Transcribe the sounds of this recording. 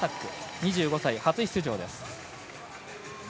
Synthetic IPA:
akːɯ̟ɲ̟iʑɨːɡo̞saihat͡sɨçʲi̥t͡sɨʑo̞̰ːd̪e̞sɨ̥

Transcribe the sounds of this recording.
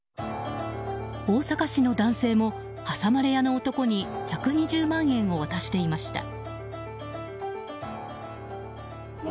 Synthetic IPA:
oːsakaɕino̞d̪ãɰ̃se̞ːmo̞ | hasamaɾe̞jano̞ːt̪o̞ko̞ɲ̟içakɯ̟ɲ̟iʑɨːmãɰ̃ẽ̞ɰ̃o̞β̞at̪aɕi̥t̪e̞imaɕi̥t̪a̰

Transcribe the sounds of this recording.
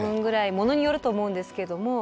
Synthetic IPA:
ɯ̟̃ŋɡɯ̟ɾaimo̞no̞ɲ̟ijo̞ɾɯ̟t̪o̞ːmo̞ɯ̟̃nd̪e̞sɨ̥keed̪o̞mo̞

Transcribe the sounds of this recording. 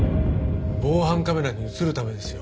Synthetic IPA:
bo̞ːhãŋkame̞ɾaɲ̟iɯt͡sɨɾɯ̟t̪ame̞d̪e̞sɨjo

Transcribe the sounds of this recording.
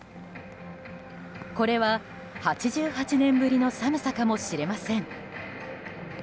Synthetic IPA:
ko̞ɾe̞βa | hat͡ɕiʑɨːhat͡ɕinẽ̞mbɯ̟ɾʲino̞samɯ̟sakamo̞ɕiɾe̞masẽ̞ŋ

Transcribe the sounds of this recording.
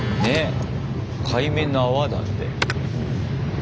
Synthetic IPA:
ne | kʰaimẽnaβad̪a̰t̪ːe

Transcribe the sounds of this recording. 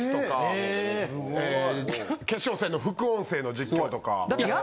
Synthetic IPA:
t̪oka | ke̞ɕo̞ːse̞ːno̞ɸɯ̟kɯ̟õɰ̃se̞ːno̞d͡ʑikʲːo̞ːt̪o̞ka̰d̪a

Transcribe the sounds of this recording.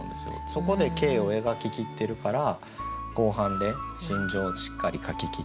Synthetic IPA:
nd̪e̞sɨjo̰so̞ko̞d̪e̞ke̞ːo̞e̞ɡakʲikʲit̪ːe̞ɾɯ̟kaɾa | ko̞ːɦãnd̪e̞ɕĩɲ̟d͡ʑo̞ːɕi̥kːaɾʲikakʲikʲi

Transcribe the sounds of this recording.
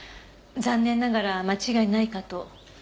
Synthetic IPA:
zãnːẽ̞nːaɡaɾamat͡ɕiɡainaikat̪o̞

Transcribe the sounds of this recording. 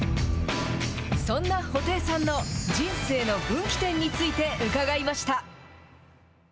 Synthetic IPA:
sõ̞nːaho̞t̪e̞ːsãnːo̞d͡ʑĩɰ̃se̞ːno̞bɯ̟̃ŋkʲi̥t̪ẽ̞ɲ̟ːit͡sɨit̪e̞ɯ̟kaɡaimaɕi̥t̪a

